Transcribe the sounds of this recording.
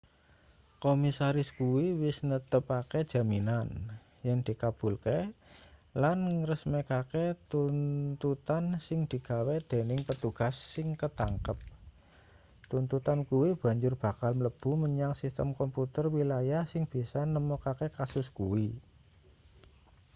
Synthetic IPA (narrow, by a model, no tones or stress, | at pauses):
komisaɾɪskuwiwɪsnət̪əpaked̥ʒ̥a̤minan | jaŋd̪̥i̤kab̥ṳlke | lanrəsmekaket̪unt̪ut̪ansɪŋd̪̥i̤ɡawed̪̥e̤nɪŋpət̪uɡ̥a̤sːɪŋkət̪aŋkəp̚ | t̪unt̪ut̪ankuwib̥ä̤ɲd͡ʒʊrb̥a̤kalmləb̥ṳməɲaŋsist̪əmkɔmput̪ərwilajasɪŋb̥i̤sanəmokakekasʊskuwi